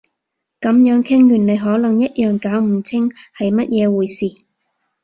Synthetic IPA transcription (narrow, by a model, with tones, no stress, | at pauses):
kɐ˨˥mjœː˨˥ŋkʰɪ˥ŋjyː˨˩nle˨˧jɦɔː˨˥lɐ˨˩ŋjɐ˥t̚jœː˨ŋkaː˨˥wm̩˨˩t͡sʰɪ˥ŋhɐ˨jmɐ˥t̚jɛː˨˧wuː˨jsiː˨